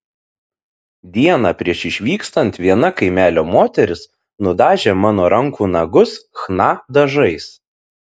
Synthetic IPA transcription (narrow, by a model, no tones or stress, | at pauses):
d̪ʲiɛnɑːpʲɾʲiɛʃɪʃʲʋʲiːkst̪ɐnʲt̪ʲʋʲiɛnɐkɐɪmʲæːlʲoːmoːt̪ʲɛɾʲɪs | nʊd̪ɑːʒʲeːmɑːnoːɾɐŋkuːnɐɡʊsxnɑːd̪ɐʒɐɪs